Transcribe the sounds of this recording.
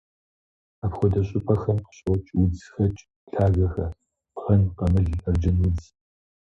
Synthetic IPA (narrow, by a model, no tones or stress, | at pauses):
apxʷɔdɐɕʼʊpʰɐxɐmqɕʼɔt͡ʃʼwʊd͡zxɐt͡ʃʼ | ɬʰaːɣɐxɐ | pʁɐnqɐmɨɮɐrd͡ʒɐnwʊd͡z